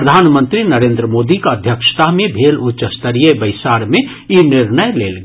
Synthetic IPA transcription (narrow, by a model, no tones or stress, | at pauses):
ɾəd̪ʱaːnmə̃nt̪ɾinɐɾẽːnd̪ɾəmoːd̪ikaəd̪ʱjəkʃt̪amẽbʱeːlʊtːʃəst̪əɾiebəɪsaːɾmẽ | jinɪɾnəjleːlɡ